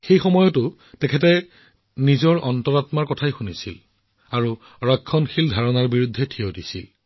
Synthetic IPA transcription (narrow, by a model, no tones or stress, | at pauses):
xejxɔmɔjɔtʊ | tɛkʰɛtɛ | nizɔɹʔɔntɔɹatmaɹkɔtʰajxunisḭl | aɹu | ɹakʰːɔnxildʱaɹɔnaɹbiɹudʱːɛtʰiodisḭl